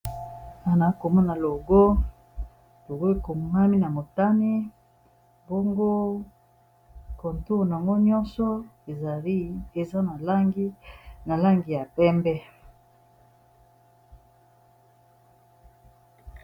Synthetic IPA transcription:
a˦na˨˦ko˨mɔ˦na˨lo˨ɡo˦ | lo˨ɡo˦e˨ko˨ŋa˦mi˦na˨mo˨ta˦ni˦ | bo˦ŋɡo˦ | ko˨nto˦˨na˨a˨ŋɡo˦ɲɔ˦nsɔ˦e˨za˨li˦e˨za˦na˨la˦ŋɡi˦na˨la˦ŋɡi˨ja˨pɛ˦mbɛ˦

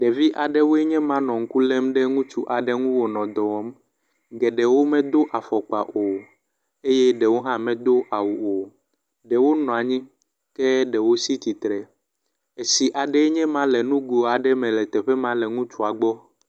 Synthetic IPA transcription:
ɖɛ˨vi˦ʔa˨ɖɛ˦wo˦e˦ɲɛ̃˦mã˦nɔ̃˨ŋ̩˦ku˦lɛ˦mɖɛ˦ŋũ˦t͡ʃu˦ʔa˨ɖɛ˦ŋũ˦wo˨nɔ̃˨d̪ɔ˨wɔ˦m | ɡɛ˨ɖɛ˨wo˦mɛ̃˦d̪o˦ʔa˨fɔ˨k͡pa˨ʔo˨ | e˦jɛ˦ɖɛ˨wo˦ɦã˦mɛ̃˨d̪o˦ʔa˨wu˨o˨ | ɖɛ˨wo˦nɔ̃˨a˨ɲĩ˦ | kɛ˦ɖɛ˨wo˦si˦t̪i˨t̪ɾɛ˨ | e˨si˨ʔa˨ɖɛ˦ɲɛ̃˦mã˦lɛ˨nũ˦ɡu˨o˨a˨ɖɛ˦mɛ̃˨lɛ˨t̪ɛ˨ɸɛ˦mã˦lɛ˨ŋũ˦t͡ʃu˦a˨ɡ͡bɔ˦

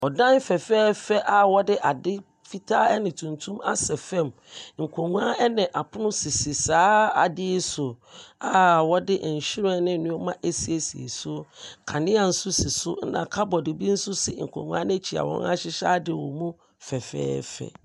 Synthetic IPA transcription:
ɔ˨dã˦n˦fɛ˨fɛː˦fɛ˦ʔa˨wɔ˦dɪ˦ʔa˨dɪ˦ | fi˦tʰa˦ɛ˦nɪ̃˨tʰũ˨ntʰũ˦ma̰˦sɛ˨fɛ̃˦˨m | ŋ̩˨kʰõ˨ŋũ˨˦a˦ɛ˦nɪ̃˨ʔa˨pʰʊ˦nʊ̃˦sɪ˨sɪ˨saː˦a˨dɪ˦sʊ˨ | a˨wɔ˦dɪ˦ʔ̩˨ɕi˦ɾɛ˦nɪ̃˦nʊ̃˦ɔ˦mã˦ʔe˦si˨e˨si˨ḛ˨sʊ˦kʰa˨nɪ̃˦a˨n̩˦sʊ˦si˨sʊ˦n̩˦nã̰˨kʰa˦bɔ˨dɪ˨bi˦n̩˦sʊ˦sɪ˨ŋ̩˨kʰõ̰˨ŋũ˦a̰˦n˦t͡ɕʰi˨a̰˨wɔ̰̃˨ŋ˦a̰˦ɕɪ˦ɕa̰ː˦dɪ˨wɔ̰˨mũ˦ | fɛ˨fɛ̰ː˦fɛ̰˦

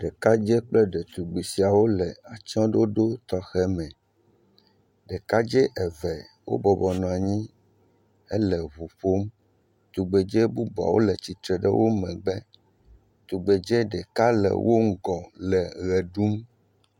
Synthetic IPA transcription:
ɖɛ˨ka˦d͡ʒɛ˦k͡plɛ˦ɖɛ˨t̪u˨ɡ͡be˨si˨a˨wo˦lɛ˨a˨t͡ʃɔ̃˦ɖo˦ɖo˦t̪ɔ˦xɛ˦mɛ̃˨ | ɖɛ˨ka˦d͡ʒɛ˦ʔɛ˨vɛ˨wo̰˦bɔ˨bɔ˨nɔ̃˨a˨ɲĩ˦ | ɛ˦lɛ˨βu˨ɸo˦m | t̪u˨ɡ͡be˨d͡ʒe˦bu˦bɔ˨a̰˨wo̰˦lɛ˨t͡ɕi˨t̪ɾɛ˨ɖɛ̰˦wʔo˦mɛ̃˨ɡ͡bɛ˦ | t̪u˨ɡ͡be˨d͡ʒɛ˦ɖɛ˨ka˦lɛ̰˨wʔo˦ŋ̩˦ɡɔ˨lɛ˨ɣɛ˨ɖu˦m

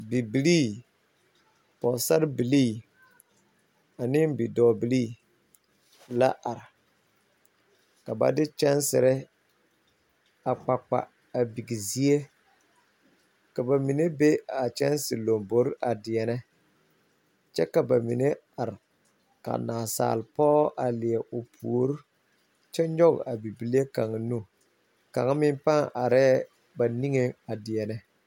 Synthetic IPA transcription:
bi˨bi˨liː˦˨ | pɔ˨sa˦ɾbi˨liː˦ | a˨nɪ˦mbi˨dɔː˨bi˨liː˦˨ | la̰˦ʔa˨ɾɪ˨ | ka˨ba̰˨dɪ˦t͡ʃɛ˦nsɪ˨ɾɛ˦ | a˨k͡pa˨k͡pa̰˨ | a˨bi˨ɡi˨zi˦e˦ | ka˨ba˨mi˨ne˦be˦a˨t͡ʃɛ˦nsɪ˨lo˨mbo˦ɾʔa˨dɪ˨ɛ˨nɛ˦ | t͡ʃɛ˦ka˨ba˨mi˨ne˦ | a˨ɾɪ˨ | ka̰˨naː˨sa̰ː˨lpɔː˦ʔa˨lɪ˨ɛ˨ʔʊ˨pʰṵ˨o˦ɾu˦ | t͡ʃɛ˦ɲɔ˦ɡ̰a˨bi˨bi˨li˦e˦ka˨ŋ˨nu˦˨ | ka̰˨ŋa˦mɪ˦m˦pa˦ŋʔa˨ɾɛː˦ | ba˨ni˦ŋe˦a˨dɪ˨ɛ˨nɛ˦

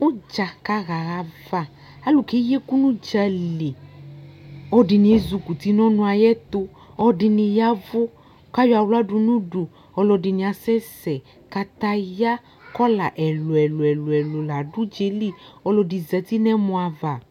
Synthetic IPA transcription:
o˦d͡ʒa˨ka˧ɣa˨ɣa˧va˨ | a˨˦lu˨ke˨˦je˦ku˦nũ˦d͡ʒa˧le˨ | ɔ˧˦di˧nĩ˧e˦zu˧ku˨ti˨˧˦nɔ̃˦nũ˧a˧jɛ˦t̪o˧ | ɔ˧di˧nĩ˧ja˦vu˦ | ka˦jɔ˦a˧wla˦du˧nũ˦du˨ | ɔ˧lɔ˧di˧nĩ˧a˧sɛ˦sɛ˨ | ka˧t̪a˧ja˦ | kɔ˦la˨ʔɛ˨lo˨ɛ˨lo˨ɛ˨lo˨ɛ˨lo˨la˨˦du˦d͡ʒe˧˦li˦˨ɔ˧lɔ˧di˧zɛ˧˦ti˦nɛ˦mɔ̃˧a˧va˨

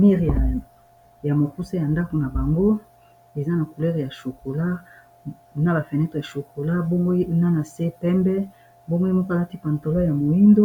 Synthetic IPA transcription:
mi˦ʁa˨ | ja˨mo˨ku˦sa˦ja˨nda˦ko˨na˨ba˨ŋɡo˦ | e˨za˦na˨ku˨lɛ˦ʁja˨ʃo˨ko˨la˦ | na˦ba˨fɛ˨nɛ˦tʁe˨ja˨ʃo˨ko˨la˦bo˦ŋɡo˦na˦na˨se˦pɛ˦mbɛ˦ | bo˦ŋɡo˦i˦mo˦ka˦ti˦pa˨nto˨lɔ˦ja˨mo˨i˦ndo˦

